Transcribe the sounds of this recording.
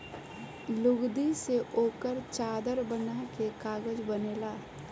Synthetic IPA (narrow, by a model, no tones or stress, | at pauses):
lʊɡd̪iseʔoːkəɾt͡ʃaːd̪əɾbənakekaːɡəd͡ʒbəneːlaɦɛ